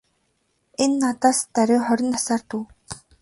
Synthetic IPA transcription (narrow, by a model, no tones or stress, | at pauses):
enːat̪aːst̪æɾʲɪːχɔɾʲɪ̆nt̪ḁsaːrt̪uː